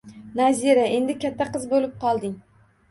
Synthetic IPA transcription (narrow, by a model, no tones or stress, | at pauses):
naziɾae̞nd̪ɪkʲʰat̪ʰːaqɨzbolɪp̚qʰɒlˠd̪ɪŋ